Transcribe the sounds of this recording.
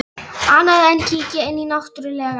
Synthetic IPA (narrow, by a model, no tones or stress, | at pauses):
aːnaðɛnkʰiːcɪɪnːinaht̪ʏɾʏlɛːɣɣ